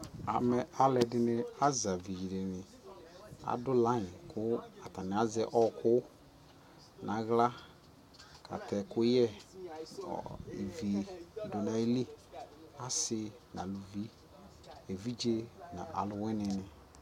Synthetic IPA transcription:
a˨mɛ˦ʔa˦lɛ˨dɪ˦nɪ˦a˦za˨vi˨ji˨ɾe˨nɪ˨ | a̰˨dʊ˦lã˦˨kʰʊ˦a˨ta˨nɪ˨a˦zɛ˦ʔɔ˦kʊ˦ | na˨ɣla˦ | kʰa̰˨tʰɛ˨kʊ˦jɛ̰˦˨ | ḛ˨vi˨dʊ˨na˨i˦li˦ | a˦sɪ˦ | n˨a̰˨lu˨vi˦ | e˨vi˦d͡ʒe˦na̰˨ʔa̰˨lʊ˨wɛ˦nɪ˨nɪ˨

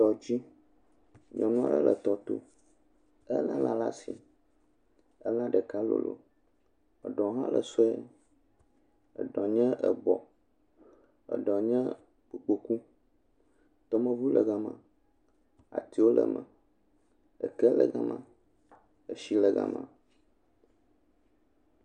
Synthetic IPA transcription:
t̪ɔ˨d͡ʑi˦ | ɲɔ̃˨nũ˦a̰˦ɖə˦lʔə˨t̪ɔ˨t̪o̰˦ | ə˦lə̃˦la˨la˦si˨ | ə˦lã˦ɖə˨ka˦lo̰˨lo̰˨ | ə˨ɖɔ̃˨ɦã˦lə˨so˦ɛ˦ | ə˨ɖɔ̃˨ɲɛ̃˦ʔə˨bɔ˨ | ə̰˨ɖɔ̃˨ɲɛ̃˦ | k͡pu˨k͡po˨ku˦ | t̪ɔ˦mə̃˦vu˦lə˨ɡa˨mã˨ | a̰˨t̪i˦wo˦lə̰˨mə̃˨ | ə˨kɛ˦lə˨ɡa˦mã˨ | ə˨ʃi˦lə˨ɡa̰˦mã̰˨

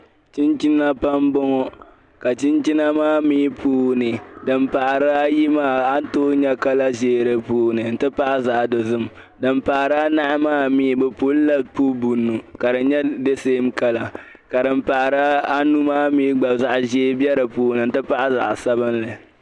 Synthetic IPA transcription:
t͡ʃi˦nt͡ʃi˦na˦pa˦mbɔ˦ŋɔ˦ | ka˨t͡ʃi˦nt͡ʃi˦na˦maː˦miː˦pʰuː˦nɨ˨dɨ˨m˦pa˨ʔɾɨ˦a˦ji˦maː˦a˦n˦toː˦ɲɛ˦ka˦la˦ʒeː˦˨ɾɨ˦puː˦nɨ˨n̩˦tɨ˦pa˦ʔa˦za˨ʔdɨ˨zɨ˦m | dɨ˨mpa˨ʔɾa˦na˦ʔa˦maː˦miː˦˨bɛ˨po˦lla˦pu˦bu˨nːu˨ka˨dɨ˨ɲɛ˦de˦seː˦m˦ka˦la˨ | ka˨dɨ˨m˦pa˨ʔɾa˦a˦nu˦maː˦miː˦ɡ͡ba˨za˨ʔʒeː˦bɛ˦ɾɨ˨puː˦nɨ˨n̩˦tɨ˦pa˦ʔa˦za̰˨ʔsa˦bɨ˦nlɨ˨

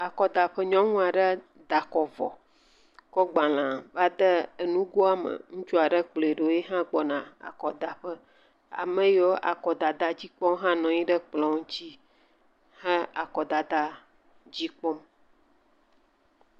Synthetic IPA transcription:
a˨kɔ˨d̪a˨ɸə˦ɲɔ̃˦ŋũ˦a˨ɖə˦ | d̪a˨kɔ˨vɔ̰˨ | kɔ˦ɡ͡ba˨l̃ã˨va˦d̪ə˦ə˨nũ˦ɡo˦a˦mə̰˨ŋũ˦t͡ʃu˦a˨ɖə˦k͡ple˨ɖo˨˦je˦ɦã˦ɡ͡bɔ˨nã˨a̰˨kɔ˨d̪a˨ɸə˦ | a̰˨mə̃˦jɔ˦ʔa̰˨kɔ˨d̪a˨d̪a˨d͡ʑi˦k͡pɔ˦m˦ɦã˦nɔ̃˨ɲĩ˦ɖə˦k͡plɔ̃˨ŋũ˦t͡ɕi˦ | hə˦a˨kɔ˨d̪a˨d̪a˦ | d͡ʑi˦k͡pɔ˦m

